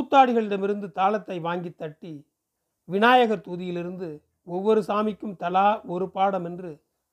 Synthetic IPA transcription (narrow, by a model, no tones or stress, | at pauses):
puːt̪ːaːɽɪɣɐɭɪɽɐmɪɾɯnd̪ɯt̪aːlɐt̪ːɐɪʋaːŋɡit̪ːɐʈːi | ʋɪnaːjɐɣɐɾt̪uːðɪjɪlɪɾɯnd̪ɯ | ɔʋːɔɾɯsaːmɪkːɯmt̪ɐlaːɔɾɯpːaːɽɐmɛndrɯ